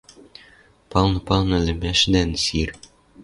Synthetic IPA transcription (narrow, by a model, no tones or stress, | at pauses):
pɑlnɤ̆pɑlˠnɤ̆lʲɘ̆mæʃnænsir